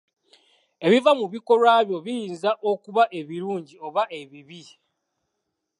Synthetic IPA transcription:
e̞βivamuβiko̞ɾwaːβjo̞βijiːnzaʔokuβaʔe̞βiɾuːɲɟio̞βaʔe̞βiβi

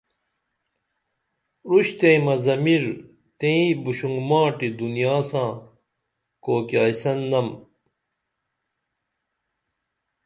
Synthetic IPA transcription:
ɾuɕt̪ẽĩmɐzɐmiɾ | t̪ẽĩbuɕuŋɡmaːʈid̪unijaːsãː | koːkjaːjsɐnːɐm

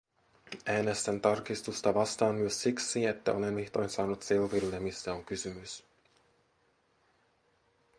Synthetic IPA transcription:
ʔæːnest̪ænt̪ɑrkist̪ust̪ɑʋɑst̪ɑːnmyøsːiksiet̪ːæ̰o̞le̞nʋiht̪o̞jnsɑːnut̪selʋilːemisːæo̞ŋkysymys

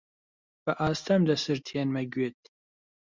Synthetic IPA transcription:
b̥ɐʔaːst̪ʰɐmd̪ɐsɨɾt̪ʰenmɐɡɥet̪̚

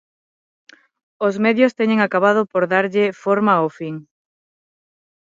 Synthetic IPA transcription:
ozmɛðjost̪ɛɲẽŋakaβað̞ʊpoɾðaɾʎɪfoɾmaofiŋ

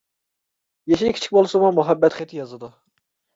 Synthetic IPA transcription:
jeʃikʰʲi̥t͡ʃʰi̥k̚ʲbolˠsomʊmuɦɛbːɛt̪χɛt̪ʰːɪjɑzɨd̪u

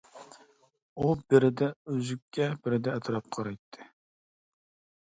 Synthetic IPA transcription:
ubɪɾɪd̪ɛøzykʲʰːɛbɪɾɪd̪ɛːt̪ʰɾɑp̚qʰɑɾɑjt̪ʰːɨ̥

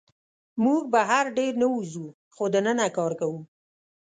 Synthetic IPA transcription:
muɡ̚baɦaɾɖeɾnəuzu | xod̪ənənakɑɾkawu

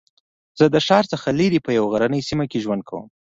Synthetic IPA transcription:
z̥əd̪əʃɑɾt͡səxaliɾipəjawɣaɾanəjsimakeʒwand̪̚kʰawə̰m

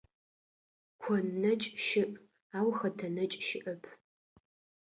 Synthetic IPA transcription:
kʷʰɔnːɐt͡ʃʼʃɪʔʼ | aːwxɐtʰɐnɐt͡ʃʼʃɪʔɐpʰ

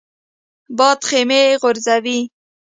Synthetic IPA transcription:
bɑt̪χemeɣʊɾzawi

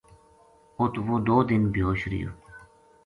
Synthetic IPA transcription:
ʊt̪ʰʋoːd̪oːd̪ɪnbjoːɕɾḭjo̰ː

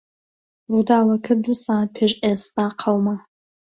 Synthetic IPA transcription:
rud̪aːwɐkʰɨd̪usaːpʰeʒeːst̪aːqʰɐwma

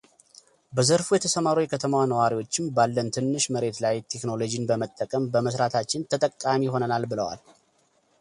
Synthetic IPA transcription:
bəzəɾfujɛt̪ʰəsəmaɾujɛkʰət̪ʰəmwanəwaɾiwo̞t͡ʃːɪmbalːənt̪ʰɨnːɨʃməɾe̞t̪lajt̪ʰe̞kno̞lo̞d͡ʒinbəmət̪ʼːəkʼəmbəməsɾat̪ʰat͡ʃːɪnt̪ʰət̪ʼəkʼːamiho̞nənalbɨləwa̰l

